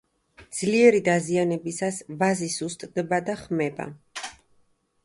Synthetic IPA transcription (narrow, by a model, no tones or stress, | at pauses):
d̪z̥liɛɾid̪azianɛbisasvazisust̪ʼd̪ɛbad̪aχmɛba̰